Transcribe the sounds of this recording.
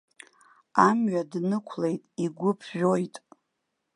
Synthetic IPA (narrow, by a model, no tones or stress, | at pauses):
amɥadnɨkʷʰle̞jtʼiɡʷʊpʰʒᶣojtʼ